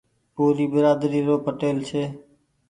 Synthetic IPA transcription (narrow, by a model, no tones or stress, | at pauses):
puːɾiːbəɾaːd̪ɾiːɾoːpəʈeːlt͡ʃʰeː